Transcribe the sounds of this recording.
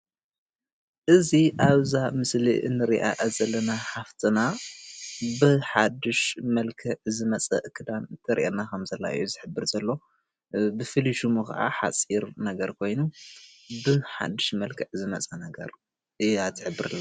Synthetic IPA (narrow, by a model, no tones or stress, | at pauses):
ʔɨziʔaβzamɨsliʔɨ̰nːɨɾiʔa̰ʔazɐlːɐnaħaft̪ʰɨna | bɨħad̪ɨʃmɐlkʰɐʕzɨmɐt͡sʼɐ̰ʔɨkʰɨd̪ant̪ʰɐɾḭʔenakʰɐmzɐlːa̰ʔɨ̰juzɨħɨbːɨɾzɐlːo̞ | bɨfɨliʃumɨka̰ʔa̰ħa̰t͡sʼiɾnɐɡɐɾkʰo̞jnu | bɨħa̰d̪ːɨʃmɐlkʰɐʕzɨmɐt͡sʼɐnɐɡɐ̰ɾ | ɨat̪ʰːɨħɨbːɨɾɨlːa